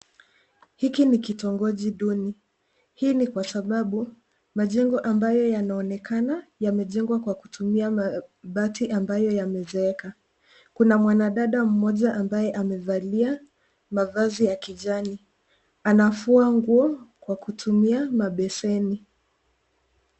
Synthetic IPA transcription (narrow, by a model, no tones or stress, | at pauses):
hikinikitɔŋɡɔʄiɗuni | hiːnikwasaɓaɓu | maʄɛŋɡɔʔambajɔjanaɔnɛkʰanajamɛʄɛŋɡwakwakutumiamaɓatiʔambajɔjamɛzɛɛka | kunamwanaɗaɗam̩mɔʄaʔambajɛʔamɛvalia | mavazijakiʄani | anafuaŋɡuɔkwakutʰumiamaɓɛsɛni